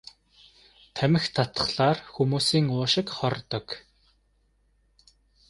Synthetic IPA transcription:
t̪ʰæmʲɪ̆xt̪ʰat̪ə̥̆χɮaːrxumuːsiːŋʊːʃɪ̆kχɔrt̪ɞ̆k

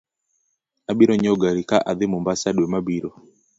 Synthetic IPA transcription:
aɓiɾɔɲɔɡaɾikaʔaðɪmumbasaɗwɛmabiɾɔ

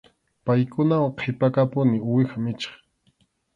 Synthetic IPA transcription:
pajkʊnawaqʰepakapʊnɪʊwɪxamɪt͡ʃɑ̥χ

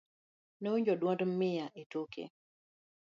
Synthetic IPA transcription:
nouɲd͡ʒɔdwɔndmɪjaʔetokḛ

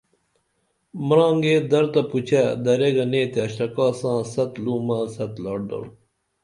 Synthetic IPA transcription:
mɾɑ̃ːŋɡeːd̪ɐɾt̪ɐput͡ɕʰad̪ɐɾeɡɐneːt̪eɐɕɾɐkɑːsãːsɐt̪luːmasɐt̪lɑːʈɖ̪o̰ɾ

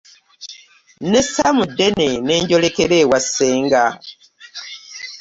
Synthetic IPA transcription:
nesamudːe̞ne̞ne̞ːɲɟo̞lekeɾeːwasːeːŋɡa

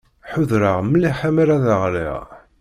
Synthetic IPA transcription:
ħʊðɾəʁməlːiħamæɾæðəʁlḭʁ

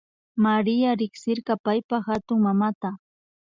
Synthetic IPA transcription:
maɾɪjaɾɪχsɪɾɢɑpajpaxat̪ʊŋmamat̪a

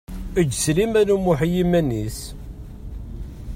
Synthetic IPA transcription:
əd͡ʒːslimænumuħjimænːis

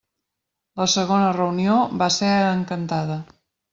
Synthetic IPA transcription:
ləsəɣonərəunioβaseəŋkənt̪aðə

